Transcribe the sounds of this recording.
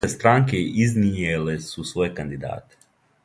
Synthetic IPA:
est̪ɾaːŋkeiznijelesusʋo̞ːjekand̪id̪a̰ːt̪e̥

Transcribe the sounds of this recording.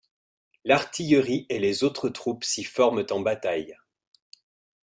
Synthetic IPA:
laʁt̪ʰijəʁielezot̪χət̪χupsifɔʁmt̪ɑ̃bat̪aj

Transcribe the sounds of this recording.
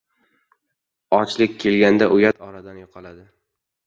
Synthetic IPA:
ɒt͡ʃlɪkʲkʰʲːe̞lɡʲand̪aʔʊjat̪ʰɒɾad̪anjɒqʰɑlad̪ɪ

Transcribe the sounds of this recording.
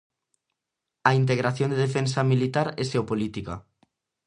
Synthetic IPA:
aint̪̬eɣɾaθjõnd̪eðefensamilit̪aɾeseopolit̪ika̰

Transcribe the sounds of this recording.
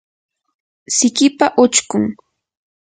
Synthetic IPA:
sɪkɪpaʔʊt͡ʃkʊŋ

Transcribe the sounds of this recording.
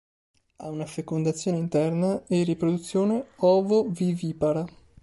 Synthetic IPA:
a̰unafekond̪at̪sːjoːneint̪ɛrnaerːipɾod̪ut̪sːjoːneɔːvoviviːpaɾa

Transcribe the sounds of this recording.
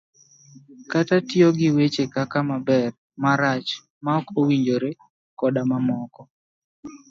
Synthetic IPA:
katatjoɡɪwet͡ʃekakamabɛr | maɾat͡ʃ | maɔkowiɲd͡ʒoɾe | kɔdamamɔkɔ

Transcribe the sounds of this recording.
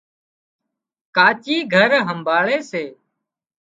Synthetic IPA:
kaːt͡ʃiːɡʱəɾɦəmbʱaːɭeːseː

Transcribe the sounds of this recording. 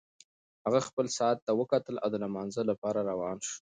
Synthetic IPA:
haɣaxpəlsaat̪ːawəkat̪əlʔa̰wd̪əlamɑnzəlapɑɾaɾawɑnʃ

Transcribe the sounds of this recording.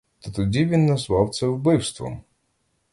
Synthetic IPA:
t̪ɔt̪ʊd͡ʑʲivʲinːɔswɔwt̪sɛubɪwst̪vɔ̰m

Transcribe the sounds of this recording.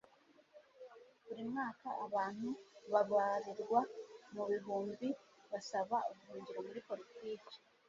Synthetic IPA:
βuɾimŋaːkaʔaβaːn̥huβaɡwaːɾiɾɡwamuβiɦuːmbiβasaβauɡuhuːɲɡiɾomuɾipo̞ɾitiːki̥

